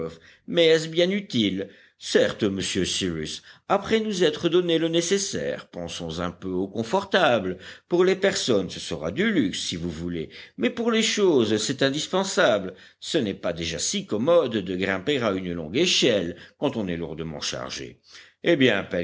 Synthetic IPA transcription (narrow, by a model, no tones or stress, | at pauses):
f | mɛɛsbjɛ̃nyt̪il | sɛʁt̪məsjøsiʁysapχɛnuzɛt̪χəd̪ɔnelənesesɛ̰ʁpɑ̃sɔ̃zɛ̃pøokɔ̃fɔʁt̪abləpuʁlepɛʁsɔnsəsəʁa̰d̪ylyksːivuvulḛmɛpuʁleʃozsɛt̪ɛ̃d̪ispɑ̃sabl | sənɛpad̪eʒasikɔmɔd̪ːəɡʁɛ̃peʁaynlɔ̰̃ɡeʃɛlkɑ̃t̪ɔ̃nɛlṵʁd̪əmɑ̰̃ʃa̰ʁʒḛ | ebjɛ̃pɛ